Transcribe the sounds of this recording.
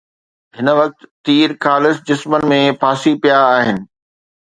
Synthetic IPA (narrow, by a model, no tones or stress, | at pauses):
ɦɪnəʋɐk̚t̪ːiːɾkʰaːlɪsd͡ʑɪsmənɪ̆mẽpʰaːsipijaːɦɪnɪ̆